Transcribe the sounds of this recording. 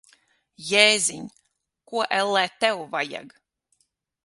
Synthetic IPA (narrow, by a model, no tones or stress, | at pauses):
jɛːzʲiɲʲ | kuɔʔɛlːɛːt̪ɛwvaja̰ɡ